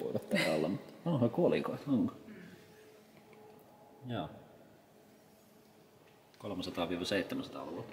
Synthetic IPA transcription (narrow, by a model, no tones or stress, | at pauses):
po̰itɑt̪t̪æˑo̰lːɑ̰mut̪ɑnohɑikuolikoˑit̪oŋko | jɑː | kolomɑsɑt̪ɑːˑʋiːʋɑseˑit̪ːæmæsɑt̪ɑ̰luʋuo